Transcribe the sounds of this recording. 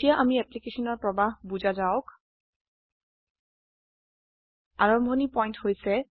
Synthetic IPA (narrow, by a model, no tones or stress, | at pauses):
ijaʔamiɛplikeʃɔnɔɹpɹɔbaɦbuzazaʊk | aɹɔmbʱonipɔjnthojsɛ